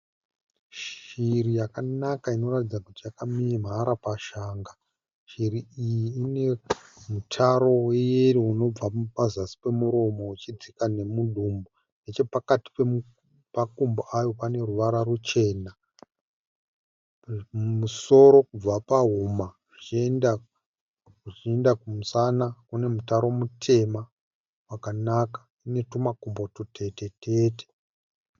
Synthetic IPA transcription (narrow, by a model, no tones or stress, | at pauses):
ʃirijakanakaino̞ratid͡zakutijakamiem̤aɾapaʃaːŋɡa | ʃiɾiijiine̞mutʰaɾo̞wejeriuno̞b͡vapazasi̥pe̞muɾo̞mo̞ut͡ʃid͡zikane̞muɗʱumbo | net͡ʃe̞pakati̥pe | pakumboʔajo̞pane̞ruʋaɾaɾut͡ʃe̞ːna | muso̞ɾo̞kub͡vapaɦumaʐt͡ʃienda | ʐiendakumusanakune̞mutaɾo̞mutʰe̞ma | wakanakḁ | ine̞tumakumbo̞tutʰe̞te̞tʰeːte̥